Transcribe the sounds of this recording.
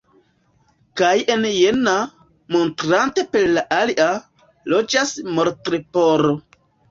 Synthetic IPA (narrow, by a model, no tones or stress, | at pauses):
kaje̞njena | mo̞ntɾante̞peɾlaʔaliʔa | lod͡ʒasmo̞ɾtɾepoɾo